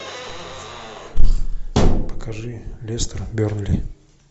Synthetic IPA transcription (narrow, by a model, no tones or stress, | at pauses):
pə̥kʰɐʐɨlʲest̪ərbʲoɾnlʲi